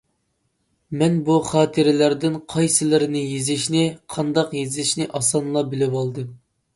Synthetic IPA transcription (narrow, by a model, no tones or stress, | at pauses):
mɛnbuχɑːt̪ʰɨɾɪlæɾd̪ɪnqʰɑjsɨlˠɪɾɪnɪjizɪʃnɪqʰɑnd̪ɑqjezɪʃnɪʔɑsɑnlˠɑbɪlɪwɑlˠd̪ɨm